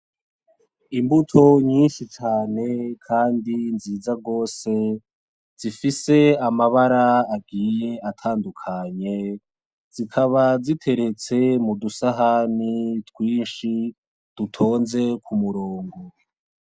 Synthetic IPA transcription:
imbutʰo̞ɲiːnʃit͡ʃaːne̞kʰaːndinziːzaɡo̞ːse̞ | z̥ifise̞amaβaɾaːɡijeatʰaːndukʰaɲe̞ | z̥ikʰaβazitʰe̞ɾe̞t͡se̞mudusaɦanitwiːnʃi | d̥utʰo̞ːnze̞kʰumuɾoːŋɡo

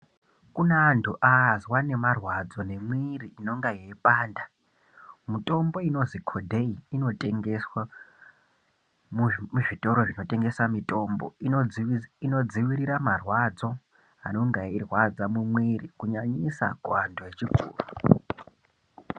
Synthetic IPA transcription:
kunaːntʰuʔazwane̞marwad͡zo̞ne̞mwiriino̞ŋɡajeipaːnda | muto̞mbo̞ino̞zikʰodʱeiino̞tʼeŋɡeswa | mumuʐito̞ɾo̞ʐino̞te̞ŋɡe̞swamito̞mbo̞̰i | ino̞d͡ziʋiɾiɾamarwad͡zo̞ | a̰no̞ŋɡairwad͡zamumwirikuɲaɲisa̰ɡʱwandoet͡ʃiɡʱṵːru

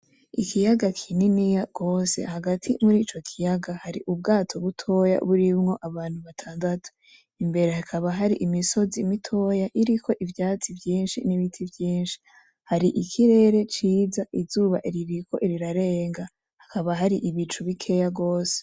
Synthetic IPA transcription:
ikʰijaɡakʰininijaɡ̥o̞ːse̞̰haɡatʰimuɾiːt͡ʃo̞kʰijaɡahaɾḭʔubɡaːtʰo̞βutʰo̞ja̰βuɾimŋo̞ʔaβaːn̥huβatʰaːndatu̥ | imbe̞ɾehakʰaβaɦaɾiʔimiso̞zimitʰo̞jaʔiɾikʰo̞ʔivjaːt͡sivjiːnʃḭniβitʰivjiːnʃi̥ | haɾiʔikʰiɾe̞ɾe̞t͡ʃiːzaʔizuːβa̰ʔiɾiɾikʰo̞ʔiɾiɾaɾe̞ːŋɡa | hakʰaβaɦaɾiʔiβit͡ʃuβikʰe̞jaɡo̞ːse̥

